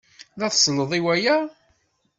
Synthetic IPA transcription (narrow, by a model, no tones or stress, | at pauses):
ðæθsˤləðˤiwæjæ